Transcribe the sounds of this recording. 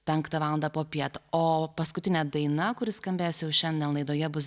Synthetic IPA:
pʲɛŋkt̪ɐʋɑːlˠɐnd̪ɐpoːpʲiɛt̪oːpɐskʊt̪ʲɪnʲɛd̪ɐɪnɐkʊɾʲɪskɐmʲbʲeːjsjɛʊʃʲɛnʲd̪ʲɛnlˠɐɪd̪oːjɛbʊs

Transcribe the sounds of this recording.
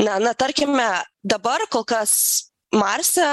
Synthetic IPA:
nɐnɐt̪ɐɾʲkʲɪmʲɛd̪ɐbɐrkoːlˠkɐs | mɐɾʲsʲɛ

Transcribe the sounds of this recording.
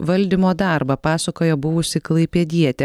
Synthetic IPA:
ʋɐlʲd̪ʲɪmoːd̪ɑɾbɐpɑːsɐkoːjoːbʊʋʊsʲɪklˠɐɪpʲɛd̪ʲiɛt̪ʲɛ

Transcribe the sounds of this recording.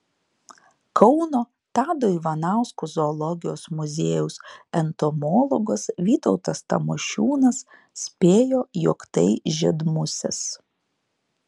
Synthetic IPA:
kɔʊnoː | t̪ɑːd̪oːiːʋɐnɑˑʊskuzoːlˠɔɡʲɪjoːsmʊzʲeːjʊsɛnt̪ɔmɔːlˠɔɡosʋʲiːt̪ɔʊt̪ɐst̪ɐ̰moʃʲuːnɐsːʲ | pʲeːjoːjɔkt̪ɐɪʒʲɪd̪mʊsʲɛ̰s

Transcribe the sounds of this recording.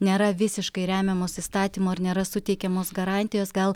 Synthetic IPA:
nʲeːɾɐʋʲɪsʲɪʃkɐɪɾʲæːmʲɛmoːsist̪ɑːt̪ʲiːmoːɐɾnʲeːɾɐsʊt̪ʲɛɪkʲɛmoːsɡɐɾɑːnʲt̪ʲɪjoːsɡɐlˠ

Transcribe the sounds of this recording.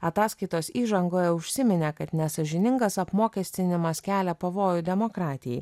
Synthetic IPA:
ɐt̪ɑːskɐɪt̪oːsiːʒɐŋɡoːjɛʊʃʲsʲɪmʲɪnʲeːkɐt̪nʲɛsɐʒʲɪnʲɪŋɡɐsɐpmoːkʲɛsʲt̪ʲɪnʲɪmɐskʲæːlʲɛpɐʋoːjʊd̪ʲɛmoːkɾɑːt̪ʲɪjɛ̰ɪ

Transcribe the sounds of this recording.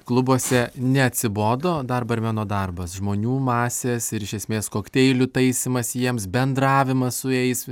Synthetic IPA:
klˠʊbuɔsʲɛnʲɛɐt̪ʲsʲɪboːd̪oːd̪ɐrbɐɪɾmʲæːnoːd̪ɐrbɐsʒmoːnʲuːmɑːsʲeːsɪɾɪʃʲɛsʲmʲeːskoːkʲt̪ʲɛɪlʲʊt̪ɐɪsʲɪmɐsjiɛmsbʲɛnd̪rɑːʋʲɪmɐssʊjɛɪs

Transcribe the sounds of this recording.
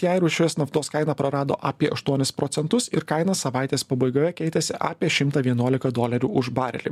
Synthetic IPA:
jæjɾuːʃʲʊjʲeːsnɐft̪oːskɐɪnɐpɾɐɾɑːd̪o̰ːʔɑːpʲiɛʔɐʃt̪uɔnʲɪspɾɔːt̪ʲɛnt̪ʊsɪɾkɐɪnɐsɐʋaˑɪt̪ʲeːspɐbɐɪɡʲoːjɛkʲɛɪt̪ʲɛsʲɪʔɑ̰ːpʲiɛʃʲɪmt̪ɐʋʲiɛnuɔlʲɪkɐd̪oːlʲɛɾʲuːʊʒbɑːɾʲɛ̰lʲḭ

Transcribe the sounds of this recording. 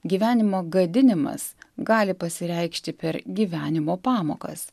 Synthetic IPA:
ɡʲiːʋʲæːnʲɪmoːɡɐd̪ʲɪnʲɪmɐ̰sɡɑːlʲɪpɐsʲɪɾʲɛɪkʃʲt̪ʲɪpʲɛɾɡʲiːʋʲæːnʲɪmoːpɑːmo̰ːkɐ̰s

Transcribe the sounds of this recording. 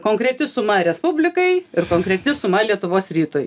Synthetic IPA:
koːŋkɾʲɛt̪ʲɪsʊmɐɾʲɛspʊbʲlʲɪkɐɪɪɾkoːŋkɾʲɛt̪ʲɪsʊmɐlʲiɛt̪ʊʋoːsɾʲiːt̪oj

